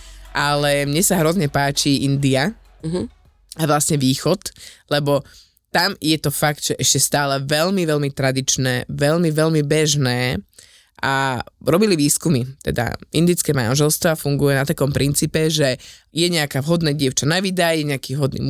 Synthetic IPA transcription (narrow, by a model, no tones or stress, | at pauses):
ʔalɛmɲɛsaɦɾɔzɲɛpaːt͡ʃiʔind̪ia | aʋlasɲɛʋiːxɔt̪lɛbɔ | t̪amjɛt̪ɔfakd̪ʒ̥ɛʔɛʃcɛst̪aːlɛʋɛlmiʋɛlmit̪ɾad̪it͡ʃnɛːʋɛlmiʋɛlmibɛʒnɛː | ʔa̰ɾɔbiliʋiːskumit̪ɛ̰d̪a̰ʔḭnd̪it͡skɛːma̰nʒɛlst̪ʋafuŋɡujɛnat̪akɔmpɾint͡siːpɛʒɛjɛɲɛakaːvɦɔd̪nɛːɟɪɛʊt͡ʃanaʋid̪ajɛɲɛakiːvɦɔd̪nḭːm